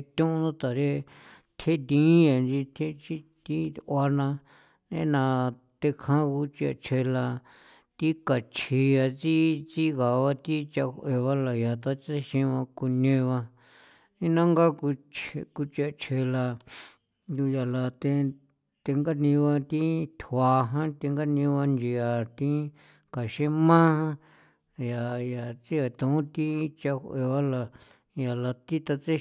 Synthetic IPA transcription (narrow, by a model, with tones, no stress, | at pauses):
t̪ʲũ˦ʔũ˧nũ˦t̪a˨ɾe˦ | t̪ʰe˦d̪ĩ˦ja˨nd͡ʒi˧t̪ʰe˦t͡ʃi˦t̪i˦˧a˧nã˧ | nḛ̃˦nã˧ | t̪e˧kʰã˦ku˧˦t͡ʃi˧a̰˧t͡ʃʰe˧la˧ | t̪i˦ka˨t͡ʃʰi˧ja˧t͡si˦t͡si˦ɣa˨βa˧t̪i˦t͡ʃa˧kʷe˨βa˦la˨ja˨t̪a˦t͡ʃi˦i˧ʃĩ˧βã˧ku˧nẽ˧βã˧ | nĩ˦nã˦ŋɡa˦ku˧t͡ʃe˧ku˧t͡ʃe˧t͡ʃʰe˧la˧ | d̪u˧ja˨la˧t̪e˧ | t̪e˧ŋɡa˦nĩ˧βa˧t̪ĩ˦t̪ʰwa˨˧ɦã˦t̪e˧ŋɡa˦nĩ˧βa˧nd͡ʒi˧a˨t̪ĩ˦ | ka˨ʃẽ˦mã˦hã˦ | ja˨ja˨t͡si˦a˨t̪ũ˨ũ˦t̪i˦t͡ʃa˧he˨βa˦la˧ | ja˨la˧t̪i˦t̪a˧t͡se˦